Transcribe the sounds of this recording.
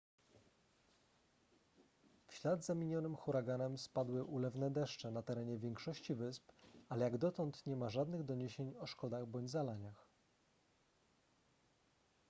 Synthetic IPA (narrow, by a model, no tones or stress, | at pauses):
fɕlad̪zamʲiɲɔnɘmxuɾaɡanɛmspad̪wɘʔulɛvnɛd̪ɛʂt͡ʂɛnat̪ɛɾɛɲɛvʲjɛŋkʂɔɕt͡ɕivɘspalɛjaɡd̪ɔt̪ɔnt̪ɲɛmaʐad̪nɘɣd̪ɔɲeɕeɲɔʂkɔd̪aɣbɔɲd͡ʑzalaɲax